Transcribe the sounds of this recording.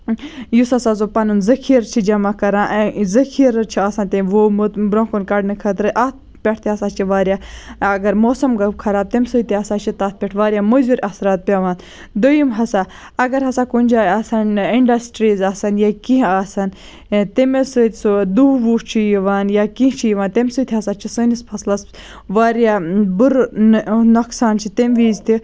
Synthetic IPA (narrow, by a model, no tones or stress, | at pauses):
jusɐsazopɐnunzɐkʰiːɾt͡ʃʰid͡ʒɐmakɐɾãːʔzɐkʰiɾt͡ʃʰiaːsant̪eʋobɾõːkunkɐɖnɨkʰɐt̪ɾɨʔat̪̚ | pʲeʈʰt̪eɐsaːt͡ʃʰiʋaːɾʲjaːɐɡɐɾmoːsɐmɡɐkʰɐɾaːb̚t̪emsut̪iɐsaːt͡ʃʰit̪aːt̪̚ʰpʲeʈʰʋaːɾʲjaːmuzuɾʲʔɐsɾaːt̪̚pʲɐʋaːn | d̪ojimɦɐsaː | ɐɡɐɾɦɐsaːkunʲd͡ʒaːɐsɐniɳɖɐsʈɾiːzaːsɐnjakĩɦaːsɐn | t̪emesɨt̪ʲsud̪uːʋuːt͡ʃʰijiʋaːnjaːkĩɦt͡ʃʰijiʋaːnt̪emsɨt̪ʰiɦɐsaːt͡ʃʰisɨːnispʰɐslɐs | ʋaːɾjaːbuɾ | nɐksaːnt͡ʃʰit̪emʋiːzt̪i